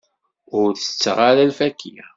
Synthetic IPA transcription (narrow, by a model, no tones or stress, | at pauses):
ʊɾθə̥t͡sːʁaɾælfækʰḭ